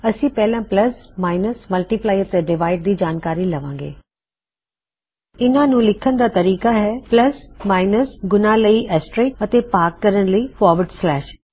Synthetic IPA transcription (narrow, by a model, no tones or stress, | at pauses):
əsĩːpɛːlãːpləsmaːɪnəsməlʈiːplaːɪəɾt̪eːɖɪʋaːɪɖ̚d̪iːd͡ʒaːnkaːɾiːləʋãːŋɡḛː | ɪnãːnũːlɪkʰənd̪aːt̪əɾiːkaːɦɛːpləsmaːɪnəsɡʊnãːləiːʔɛːsʈɾeːkət̪eːpaːkːəɾənləiːfɔːɾʋəɖslɛːʃ